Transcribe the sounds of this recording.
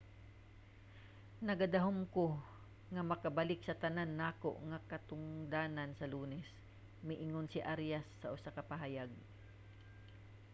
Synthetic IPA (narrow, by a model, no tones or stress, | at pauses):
nɐɡad̪ɐɦomko | ŋɐmɐkɐbalɪksɐt̪ɐnanːaːko̰ʔŋakɐt̪ʊŋd̪aːnansɐluːnɛs | mɪʔɪŋonsɪʔaɾjasːɐʔʊsakɐpaɦajaɡ̚